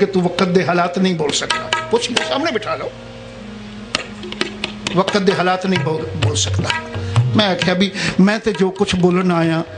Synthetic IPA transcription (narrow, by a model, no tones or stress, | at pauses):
ket̪ũːʋəkət̪̚d̪eːɦaːlaːt̪nəĩːboːlsəkd̪aːpʊt͡ʃʰnesaːmneːbɪʈʰaːloː | ʋəkət̪̚d̪eːɦaːlaːt̪nəĩːoboːlsəkd̪aːmɛ̃ːaːkʰjaːbiːmɛ̃ːt̪eːd͡ʒoːkʊt͡ʃʰboːlənaːjãː